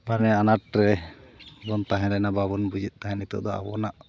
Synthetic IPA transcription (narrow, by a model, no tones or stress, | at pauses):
anɛanaʈ̚ɾɛ | bɔnt̪aɦɛ̃ɾɛnababɔnbud͡ʒit̪̚t̪aɦɛ̃nit̪ɔ̰ʔd̪ɔa̰bɔnaʔ